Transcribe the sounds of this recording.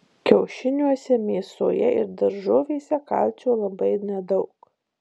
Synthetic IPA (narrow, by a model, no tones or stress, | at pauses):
kʲɛʊʃʲɪnʲuɔsʲɛmʲeːso̰ːjɛɪ̰ɾd̪ɐɾʒoːʋʲeːsʲɛkɐ̰lʲt͡ʃʲoːlˠɐbɐɪnʲɛd̪ɒʊk